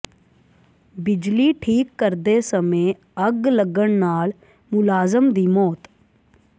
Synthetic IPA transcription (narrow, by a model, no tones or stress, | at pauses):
bɪd͡ʒliːʈʰiːkːəɾd̪esəmẽː | əɡləɡəɳnaːl | mʊlaːzəmd̪iːmɔːt̪